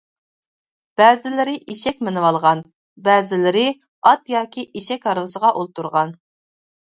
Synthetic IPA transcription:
b̥ɛːzɪlɪɾɪʔiʃɛk̚ʲmɪnɨwɑlˠʁɑn | bɛːzɪlɪɾɪ | ɑt̪jɑːkʲiʔiʃɛkʲhɑɾʁəsəʁɑʔolˠt̪uɾʁɑn

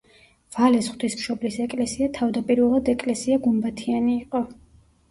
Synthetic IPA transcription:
v̥alɛsχwd̪ismʃɔblisɛkʼlɛsiat̪ʰavd̪apʼiɾvɛlˠad̪ɛkʼlɛsiaɡumbat̪ʰianiːqʼɔ

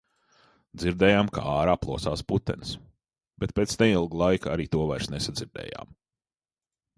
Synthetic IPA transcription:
d̪ziɾd̪ɛːjaːmka̰aːɾaːplˠuɔsaːsput̪ːɛ̰ns | b̥et̪̚peːt̪snʲɛmilˠɡlˠajkaɾiːt̪uɔvajɾsnesad̪ziɾd̪ɛ̰ːja̰ːm

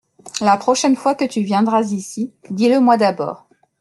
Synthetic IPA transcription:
lapχɔʃɛnfwakət̪yvjɛ̃d̪ʁazisid̪iləmwad̪abɔ̰ːʁ

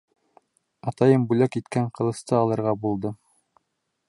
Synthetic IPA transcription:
ɑt̪ɑjɤmbʉlækit̪kæɴqɤ̆lˠɤ̆st̪ɤɑlˠɤ̆ɾʁɑbulˠd̪ɤ

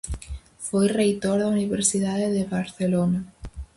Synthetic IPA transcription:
fojrejt̪oɾðauniβeɾsiðaðeðeβaɾθelona

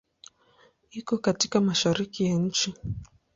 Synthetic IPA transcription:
ikɔkatikamaʃaɾikijaɲ̩t͡ʃi

